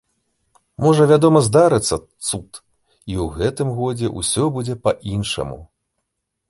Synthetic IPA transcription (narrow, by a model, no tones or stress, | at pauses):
mɔʐɐvʲad̪ɔmɐzd̪aɾɨt̪sːɐt̪sut̪ | iwɣɛt̪ɨmɣɔd͡zʲɛʔusʲɔbud͡zʲɛpɐʔinʂɐ̰mṵ